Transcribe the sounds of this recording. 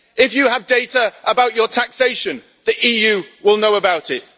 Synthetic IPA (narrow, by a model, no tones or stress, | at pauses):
ɪfjəːvdeɪtəʔəbaʊt͡ʃətʰakseɪʃə̃n | ðiʔiːjʉːwɪlˠnoʊəbaʊtɪt̚